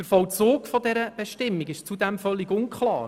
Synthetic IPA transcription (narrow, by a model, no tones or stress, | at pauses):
əɾfɔwt͡soːkfɔdɛɾəb̥ɛʃtɪmːiɡɪʃt͡sud̪ɛmfœlːiɡʊnkχlɑ̰ːɾ